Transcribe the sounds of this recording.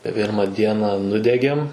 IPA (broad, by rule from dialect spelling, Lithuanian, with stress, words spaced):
ˈpʲɪrmɐ ˈdʲiɛnɐ ˈnʊdʲɛɡʲeːm